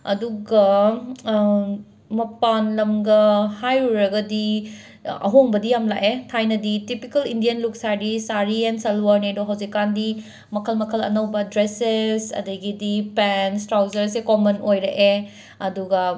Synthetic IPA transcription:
ɐ̰duɡɐ | mɐpanlɐmɡɐhajuɾɐɡɐdi | ɐ̰ɦoŋbɐdijamla̰ʔetʰajnɐditipikɐlindijɐnluk̚saɾisaɾiɛnsɐlwaɾnejdoɦawzikːandi | mɐkʰɐlmɐkʰɐlɐ̰nɐwbɐdɾesesɐ̰dɐɡidipɛnstɾawzɐɾsekomɐnojɾɐʔe | ɐduɡɐ

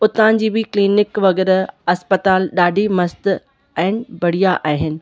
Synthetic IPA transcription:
ʊt̪ãːnd͡ʑiːbikliːnɪkʋɐɣɛːɾɐspət̪aːlɗaːɖʱimɐst̪ | ɛ̃ɪnɪ̆bɐɽ̤ijaʔaːɦɪnɪ̆

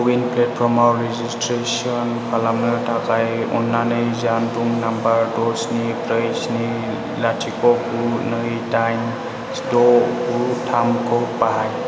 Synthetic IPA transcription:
winplet̚pʰɾɔmawɾezistɾes | ɔnpʰalamnɯtʰakʰajɔ̰nːanɯjzanduŋnambaɾdɔsnipɾajsni | latʰikɔkunɯtajm | sdɔkutʰamkʰɔpaɦaj

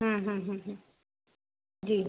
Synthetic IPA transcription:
ɦãɦãɦãɦã | d͡ʒiː

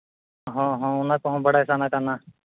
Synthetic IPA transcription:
ɦɔ̃ːɦɔ̃ːʊnãːkoɦõːbəɽaːɪsaːnaːkənaː

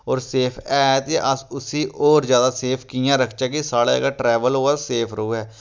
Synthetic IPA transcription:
ɔːɾseːpʰɛːt̪jãʔəsʊsiːʔɔːɾzjaːd̪aːseːpʰkijãːɾəkʰt͡ʃaːkisaːɽa̰ːɡaʈɾɛːʋəlɦoːaːseːpʰɾəɦuːɦɛː

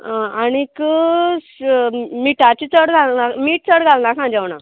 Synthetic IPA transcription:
ãaɽ̃ikə | miʈʰat͡ɕit͡səɽɡʱalnamiːʈ̚t͡səɽɡʱalnakãd͡ʑɛʋna̰

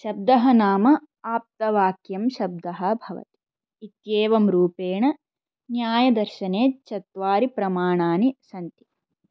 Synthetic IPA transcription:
ʃɐb̚d̪ɐɦɐnaːmɐ | aːp̚t̪ɐʋaːkjɐmʃɐb̚d̪ɐɦɐ̆bʱɐʋɐ̰t̪i̥ | it̪jeːʋɐmɾuːpeːɳɐ | njaːjɐd̪ɐɾʃɐneːt͡ʃɐt̪ʋaːɾipɾɐmaːɳaːnisɐnt̪i̥

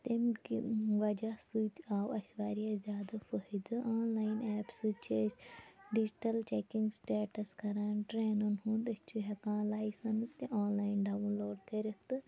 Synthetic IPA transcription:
t̪emkiʋɐd͡ʒasɨt̪ʲaːwɐsʲʋaːɾiazʲjaːd̪afəɦid̪ɨʔaːnlaːjinɛːpsɨt͡ʃʰisʲɖid͡ʒʈɐlt͡ʃeːkiŋɡsʈeːʈɐskɐɾaːnʈɾeːnɨnhund̪ɨst͡ʃʰuɦekãːlaːjsɐnst̪eʔaːnlaːinɖaːwunloːʈkɐɾʲit̪ɨ

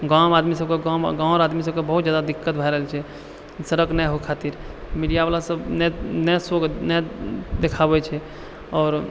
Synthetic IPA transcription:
ɡãmad̪misəb̚keɡamɡãɾad̪misəb̚kebəɦut̪̚d͡ʒjad̪ad̪ikːət̪̚bʱajɾəɦlt͡ʃʰɛ | səɾəknɛɦokʰat̪iɾmiɖijabalasəbnɛnɛsoɡnɛd̪ekʰabɛt͡ʃʰɛ | ɔːɾ

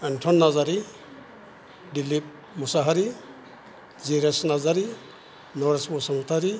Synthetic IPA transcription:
enʈʰɔnːazaɾi | dilip̚ | musaɦaɾi | ziɾesnazaɾi | nɔɾesbɔsamut̪ʰaɾi

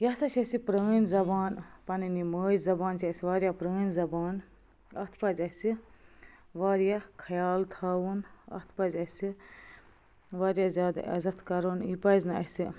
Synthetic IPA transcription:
jɐsɐʃɐsipɾəːnzɐbaːnpɐniniməːzzɐbaːnt͡ʃʰiɐsiʋaːɾjapɾəːnzɐbaːn | ɐt̪ʰpɐzʲɐsi | ʋaːɾjakʰɐjaːlt̪ʰaːwunɐ̰t̪ʰpɐzʲɐsi | ʋaːɾjazʲaːd̪a̰ʔɐ̰zɐt̪ʰkɐɾoːnipɐznɨɐ̰si

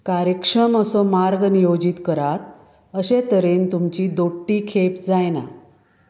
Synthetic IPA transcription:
kaɾjəkʂəməsɔmaɾɡnijod͡ʑit̪kəɾat̪ | əɕet̪əɾent̪umt͡ɕiːd̪oʈːiːkʰepd͡zajna̰

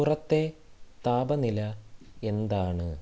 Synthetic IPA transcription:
urɐt̪ːe̞t̪aːbɐnilɐe̞nd̪aːɳɨ

